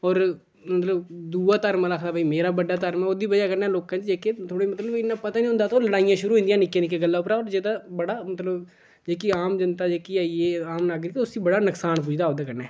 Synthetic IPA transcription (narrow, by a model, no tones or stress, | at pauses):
ɔːɾ | mət̪ləbd̪uːaːt̪əɾmːləkʰd̪aːbaiːmeːɾaːbəɖaːt̪əɾmɛod̪iːbəd͡ʒaːkəɾnɛːloːkãːt͡ʃd͡ʒeːket̪ʰoːɽeːmət̪ləbɪnːãːpət̪aːnĩːɦʊ̃ːnd̪aːt̪oːləɽaːijãːʃʊɾuːɦʊ̃nd̪jãːnɪkːjãnɪk̬ːeːɡəlːaːʊpɾaːɔːɾd͡ʒeːd̪aːbəɽaːmət̪ləb | d͡ʒeːkiːaːmd͡ʒənt̪aːd͡ʒeːkiːaːieaːmlaɡd̪it̪oʊsiːbəɽaːnəksaːɳp̬uːd͡ʒd̪aːɦoːd̪aːkəɾnaː